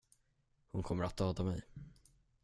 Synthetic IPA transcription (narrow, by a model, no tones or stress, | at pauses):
hʊnkʰɔmːəɾat̪̚d̪ɑːd̪amɛj